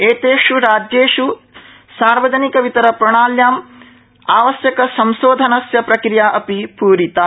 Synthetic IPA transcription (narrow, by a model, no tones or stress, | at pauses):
eːt̪eːʂuɾaːd͡ʒeːʂu | saːɾʋɐd͡ʒɐnikɐʋit̪ɐɾɐpɾɐɳ̃aːljaːm | aːʋɐsjɐkɐsɐmʃoːd̪ʱɐnɐsjɐpɾɐkɾijaːʔɐpipuːɾit̪a